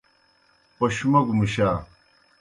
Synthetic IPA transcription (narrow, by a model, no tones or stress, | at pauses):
pɐɕmɐɡmiɕaː